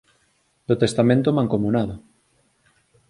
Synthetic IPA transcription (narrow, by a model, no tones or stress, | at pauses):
d̪ot̪est̪amẽnt̪omãŋkomunaðo